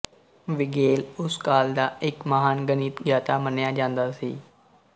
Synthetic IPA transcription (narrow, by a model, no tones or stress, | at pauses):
ʋɪɡeːlʊskaːld̪aːɪkməɦaːnɡəniːt̪ɡjaːt̪aːmənjaːd͡ʒãːnd̪aːsiː